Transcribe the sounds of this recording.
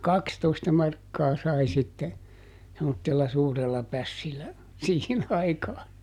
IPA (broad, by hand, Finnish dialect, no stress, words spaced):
jɑ kɑkstoistɑ mɑrkːɑː sɑi sitːe semːotːelːɑ suːrelːɑ pæsːilːæ siːhin ɑikɑː